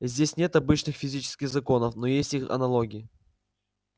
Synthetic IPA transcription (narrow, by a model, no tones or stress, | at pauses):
zʲdʲesʲnʲe̞t̪ɐbɨt͡ɕnɨxfʲɪzʲit͡ɕɪ̥skʲɪxzɐko̞nəfno̞jesʲtʲixɐ̰nɐlˠo̞ɡʲɪɪ